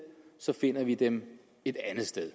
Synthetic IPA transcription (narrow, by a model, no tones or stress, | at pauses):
sɒ̽fe̝n̰ɐʋid̥em | e̝d̥ænð̩ˠsd̥eð̞ˠ